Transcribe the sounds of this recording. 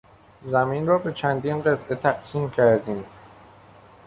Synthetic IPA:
zæminrɒːbe̞t͡ʃʰænd̪iːnɢe̞t̪ʰʔe̞t̪ʰæɢsiːmcʰæɾd̪iːm

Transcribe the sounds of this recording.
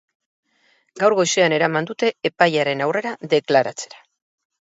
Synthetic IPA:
ɡawɾɣo̞jseane̞ɾamand̪ut̪e̞ːpajaɾe̞nawre̞ɾaðe̞klaɾat͡se̞̥ɾḁ

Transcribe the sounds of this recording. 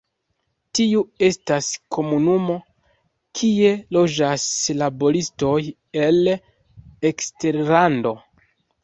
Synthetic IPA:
tiue̞staskʰo̞munumo̞ | kʰie̞lo̞d͡ʒaslabo̞ɾisto̞j | e̞l | ekste̞ɾlando̞

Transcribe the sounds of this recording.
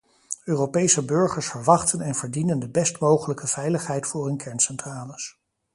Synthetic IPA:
øːropejsəbɵɹχəɹsfəɹʋɑχtənɛnvəɹdinəndəbɛstmowχələkəv̥ɛjləχɦɛjtfʊːrɪnkʰɛɹnsɛntraːləs

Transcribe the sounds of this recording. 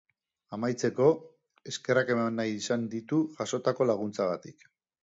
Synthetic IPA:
amajt͡se̞ko̞ | e̞ske̞rake̞manːajisand̪it̪uʝaso̞t̪ako̞laɣ̞unt͡saɣat̪ik

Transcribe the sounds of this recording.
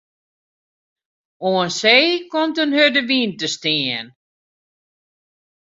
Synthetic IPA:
oənseːkomtənhødəʋiːntəstɪən

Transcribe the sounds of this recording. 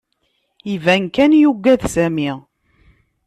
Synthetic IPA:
ivænkænjuɡːæðsæmi

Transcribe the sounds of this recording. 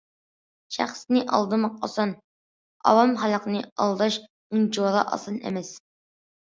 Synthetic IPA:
ʃæ̰χsnɨʔɑ̰lˠd̪ɨmɑqɑsɑn | ɑ̰wɑmɦɑlˠəqnɨɑ̰lˠd̪ɑʃ | uŋd͡ʒoɾɑʔɑ̰sɑnḛmɛs

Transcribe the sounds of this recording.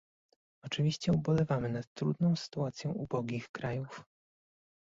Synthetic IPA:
ɔt͡ʂɘvʲiɕt͡ɕɛubɔlɛvamɘnat̪ːɾud̪nɔ̃w̃sɘ̥t̪uat̪sʲjɛ̃ʔubɔɡʲixkɾajuf

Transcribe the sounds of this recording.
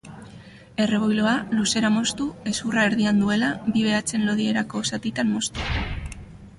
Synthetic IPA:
e̞re̞β̞ojloaluse̞ɾamo̞st̪ue̞suraeɾðiand̪ue̞labiβ̞e̞at͡se̞nlo̞ðie̞ɾako̞sat̪it̪ammːo̞st̪u

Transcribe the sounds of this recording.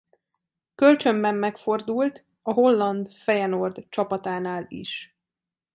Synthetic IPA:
kø̞lt͡ʃø̞mbɛmːɛkfo̞rd̪ult̪ | ɒɦo̞lːɒnd̪fɛjɛno̞rd̪t͡ʃɒpɒt̪aːnaːlḭʃ

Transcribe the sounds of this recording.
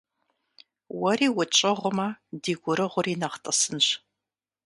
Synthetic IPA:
wɔriːwʊt͡ʃʼɪʁʷʊmɐdiːɡʷʊɾɨʁʷʊriːnɐχtʼɐsɨnɕ

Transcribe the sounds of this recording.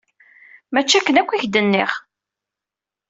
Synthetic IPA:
mæt͡ʃːækːənækʷːiçd̪ənːɪ̰ʁ

